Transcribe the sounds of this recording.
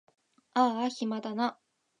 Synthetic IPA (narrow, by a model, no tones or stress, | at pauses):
açimad̪ana